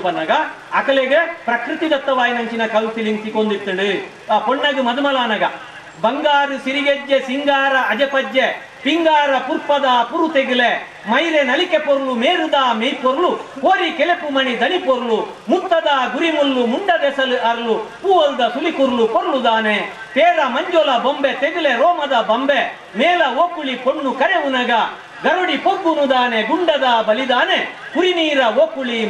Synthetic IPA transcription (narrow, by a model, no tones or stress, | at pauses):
bɐnːɐɡɐ | ɐkɐleɡepɾɐkɾɨt̪id̪ɐt̪ːɐʋaːjinɐɲt͡ʃinɐkɐlsiliŋt̪ikond̪it̪ːɐɽɯ | apoɳːɐɡ̪umɐd̪umɐlaːnɐɡɐ | bɐŋɡaːɾusiɾiɡed͡ʒːesiŋɡaːɾɐʔɐd͡ʒepɐd͡ʒːe | piŋɡaːɾɐpuɾpɐd̪apuɾut̪eɡile | mɐjɾenɐlikepoɾulumeːɾud̪aːmejpoɾuluoːɾikɛlepumɐnid̪ɐnipoɾulu | mut̪ːɐd̪aːɡuɾimulːumuɳɖɐd̪ɛːsɐlɯʔɐɾɐlupuʋɐld̪ɐsulikuɾulupoɾlud̪aːne | p̪eːɾɐmɐɲd͡ʒɔlɐbombet̪eɡileɾɔːmɐd̪ɐbɐmbe | meːlɐoːpulipoɳːukɐɾeʋunɐɡɐ | ɡɐɾuɽipoɡːunud̪aːneɡuɳɖɐd̪aːbɐlid̪aːne | kuɾiniːɾɐoːpuli